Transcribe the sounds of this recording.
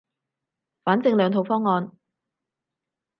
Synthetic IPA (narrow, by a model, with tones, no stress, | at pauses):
faː˨˥nt͡sɪ˧ŋlœː˨˧ŋt̪ʰo˨˧wfɔː˥ŋːɔː˧n